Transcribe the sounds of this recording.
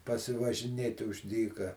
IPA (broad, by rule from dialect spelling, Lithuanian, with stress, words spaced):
pɐsʲɪʋɐʒʲɪˈnʲeːtʲɪ ʊʃ ˈdʲiːkɐ